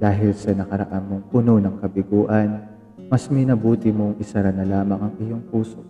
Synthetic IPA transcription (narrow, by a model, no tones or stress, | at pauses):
d̪̥aːɦɪlsɐnɐkɐɾɐ̰ʔamːoŋpʊno̞nɐŋkɐbɪɡuːʔɐn | mɐsmɛnɐbuːt̪ɪmoŋɪsɐɾɐnɐlaːmɐŋɐŋʔɪjoŋpuːso